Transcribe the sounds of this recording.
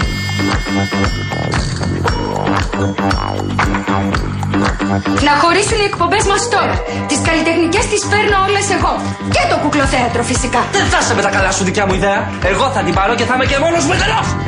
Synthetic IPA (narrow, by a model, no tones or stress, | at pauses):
nɐxo̞ɾisuniekpo̞mbe̞zmɐst̪o̞ɾɐ | t̪iskɐlit̪e̞xnice̞st̪ispe̞ɾno̞o̞le̞se̞ɣo̞ | cet̪o̞kuklo̞θeɐt̪ɾo̞fisikɐðeθɐsemet̪ɐkɐlɐsuðicɐmuiðeɐ | e̞ɣo̞θɐt̪ibɐɾo̞ce̞θɐmece̞mo̞nozmet̪ɐlɐf